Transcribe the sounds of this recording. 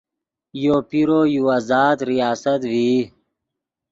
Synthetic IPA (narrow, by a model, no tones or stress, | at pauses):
joːpiɾoːjuːazaːd̪ɾijaːsɐt̪wiː